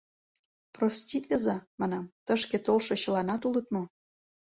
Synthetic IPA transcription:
profstʲit̪lʲəzɑmɑnɑmt̪əʃket̪olʃɤ̆ɕə̆lɑnɑt̪ulə̆t̪mo

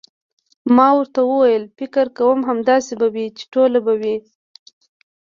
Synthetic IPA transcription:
mɑwəɾt̪awəwajəlfɪkɪɾkawəmɦamd̪ɑsebawit͡ʃe̥ʈolabawi

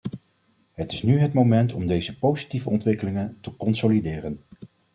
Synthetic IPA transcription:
ɦətɪsnyɦətmomɛntɔmdejzəpowzi̥tivəɔntʋɪkəlɪŋəntəkɔnsolidɪːrən

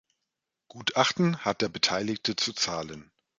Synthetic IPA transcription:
ɡ̥uːtʔaχtn̩hat̚d̥eːɐbətʰaɪlɪktət͡sut͡saːlən

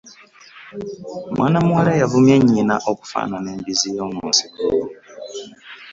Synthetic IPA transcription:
mwʔanamuaɾɛjavumɛɲinaʔɔku̥fa̰nanɛmbizijɔmɔnsikṵːwɔ

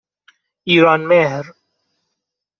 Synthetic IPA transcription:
iːɾaːnmeːɦɾ

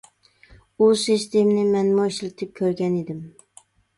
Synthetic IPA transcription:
useʃt̪emnɪmanmoɪʃlɪt̪ʰɪp̚kʲʰɵɾɡʲaned̪ɪm

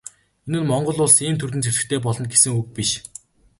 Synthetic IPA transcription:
enɘ̆nmɔɴɢɞ̆ɮʊːɮsiːmt̪ʰɵrt̪ɘ̆nt͡sʰeɮɘ̆xt̪ʰeːp̬ɔɮɞ̆nɡesɘ̆ŋɵk̚piʃ

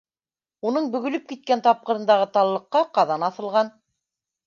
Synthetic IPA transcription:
unɤɴbɵ̆ɣɵ̆lɵp̚kit̪̚kænt̪ɑp̚qɤ̆ɾɤ̆nd̪ɑʁɤt̪ɑlˠlːˠɤ̆qːɑqɑðɑnɑθɤ̆lˠʁɑn

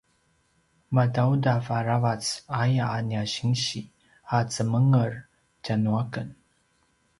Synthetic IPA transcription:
madawdafaɾavat͡sajaːniaɕiŋɕi | hat͡səməŋər | d͡ʒanuakən

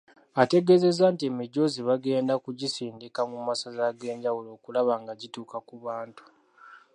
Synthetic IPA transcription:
ate̞ɡe̞ze̞zaːntiemiɟo̞ziβaɡe̞ːndakuɟisiːndikamumasazaɡe̞ːɲɟawulo̞ːkulaβaŋɡaɟituːkakuβaːntu̥

